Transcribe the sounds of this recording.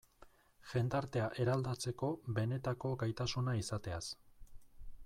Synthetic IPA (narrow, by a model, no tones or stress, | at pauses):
ʝe̞nd̪aɾt̪e̞aʔe̞ɾald̪at͡se̞ko̞βe̞ne̞t̪ako̞ɡajt̪asunaisat̪e̞as